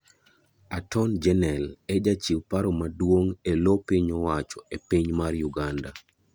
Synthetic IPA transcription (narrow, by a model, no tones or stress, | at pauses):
atʰɔnd͡ʒɛnɛlɛd͡ʒat͡ʃiwpaɾomadwoŋelopiɲɔwat͡ʃɔepiɲmarjuɡanda